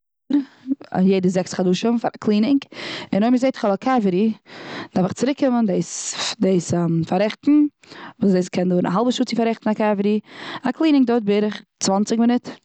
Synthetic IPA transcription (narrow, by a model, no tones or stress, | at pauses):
ɾ̰jeɪdəzɛksχaduːʃənfaɾakʰlˠiːnɪŋkɪnoɪmɪzeɪtɪ̥χɔlˠakʰavəɾid̥afɪχt͡sɪɾɪkːɪməndeɪsdeɪsmfaɾɛχtn̩ | vuːsdeɪskʰɛndoːɾna̰ɦalˠbəʃuːt͡sɪfaɾɛχtn̩akavəɾiaklˠiːnɪŋk̚dot̚bɪɾɪχt͡svant͡sɪkmɪnɪt